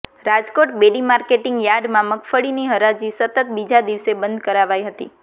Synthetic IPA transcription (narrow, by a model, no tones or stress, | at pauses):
ɾad͡ʒkoʈbeɽimaɾkeʈɪŋɡjaɖmãməkfəɭiniɦəɾad͡ʒisət̪ət̪̚bid͡ʒad̪iʋsebənd̪ʱkəɾaʋajɦət̪ḭ